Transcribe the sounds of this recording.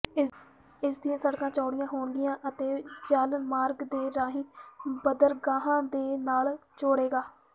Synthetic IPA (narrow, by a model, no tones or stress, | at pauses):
ɪsd̪ijãːsəɽkãːt͡ʃɔːɽɪjãːɦoːɳd̪ɪjãːʔət̪eːd͡ʒəlmaːɾɡd̪eːɾaːɦiːbəd̪əɾɡãːɦãːd̪eːnaːlt͡ʃoːɽeːɡaː